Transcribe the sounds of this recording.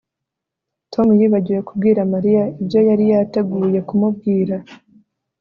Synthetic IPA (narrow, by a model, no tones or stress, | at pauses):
tʰo̞mujiːβaɟije̞kubɡiːɾamaɾijaibjo̞jaɾijate̞ɡuːje̞kumub̚ɡiːɾa